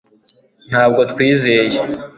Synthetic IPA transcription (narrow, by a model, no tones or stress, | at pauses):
n̥haːb̚ɡo̞tkwiːzeje